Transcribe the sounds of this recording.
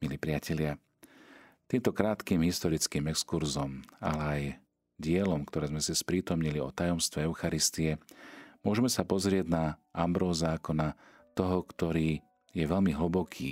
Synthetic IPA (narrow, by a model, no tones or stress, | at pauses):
miliːpɾɪacɛlɪa | t̪iːmt̪ɔkɾaːt̪kiːmɦist̪ɔɾit͡skiːmɛkskuɾzɔma̰lɛaj | ɟɪɛlɔmkt̪ɔɾɛːzmɛsispɾiːt̪ɔmɲiliɔ̰t̪ajɔmst̪ʋɛɛʊxaɾist̪iɛmʊɔʒɛmɛsapɔzɾɪɛɟnaʔambɾɔːzaːkɔna | t̪ɔɦɔkt̪ɔɾiː | jɛʋɛʎmiɦəbɔkʰḭː